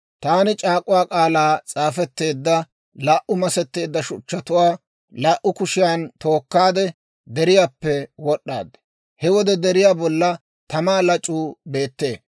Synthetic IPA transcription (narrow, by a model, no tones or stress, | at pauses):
t̪aːnɪt͡ʃʼaːkʼʊwaːkʼaːlaːt͡sʼaːfɛt̪ːe̞ːd̪ːɐ | laːʔʊmɐsɛt̪ːe̞ːd̪ːɐʃʊt͡ʃːɐt̪ʊwaː | laːʔʊkʊʃɪjaːnt̪o̞ːkːaːd̪ɛ | d̪ɛɾɪjaːpːɛwɔɗːa̰ːd̪ | hɛwɔd̪ɛd̪ɛɾɪjaːbɔlːɐ | t̪ɐmaːlɐt͡ʃʼːuːbe̞ːt̪ːe̞̰ː